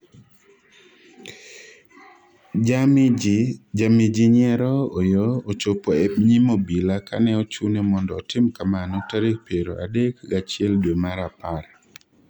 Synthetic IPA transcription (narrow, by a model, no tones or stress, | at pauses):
d͡ʒamid͡ʒiɲɛɾɔojoot͡ʃopoɛbɲimobilakʰa̰nɛɔt͡ʃunɛmɔndɔ̰ːtɪmkamanɔtaɾek̚peɾo̰ʔa̰dekɡat͡ʃɪɛldwemaɾapaɾ